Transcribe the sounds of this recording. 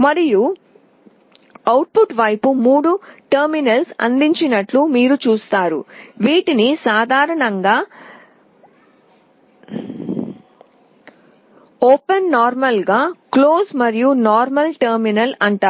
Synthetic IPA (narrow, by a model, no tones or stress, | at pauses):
mɐɾiju | ɐwʈ̚puʈʋɐjpumuːɽuʈɐɾminɐlsɐ̰nd̪iɲt͡ʃinɐʈlumiːɾut͡ʃuːst̪aːɾṵʋiːʈinisaːd̪ʱaːɾɐɳɐŋɡaː | oːpɐnːaːɾmɐlɡaːkloːsmɐɾijunaːɾmɐlʈɐɾminɐlɐɳʈaː